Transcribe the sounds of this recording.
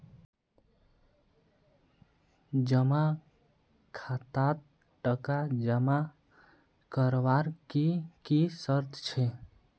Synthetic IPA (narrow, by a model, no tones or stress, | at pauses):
d͡ʒəma | kʰat̪at̪̚ | ʈəkad͡ʒəma | kəɾʋaɾkikisəɾt̪ʰt͡ʃʰɛ